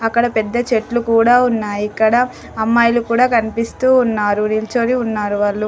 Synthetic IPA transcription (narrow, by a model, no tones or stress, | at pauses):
ɐkːɐɽɐpɛd̪ːɐt͡ʃeʈlukuːɽaːunːaːjikːɐɽɐ | ɐmːaːjlukuːɽaːkɐnipist̪uːnːaːɾunilt͡ʃoːɾiunːaːɾuʋaːɭːu